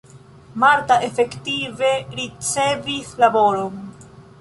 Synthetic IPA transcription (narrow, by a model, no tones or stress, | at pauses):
maɾtaʔe̞fe̞ktive̞ɾit͡se̞vislabo̞ɾo̞n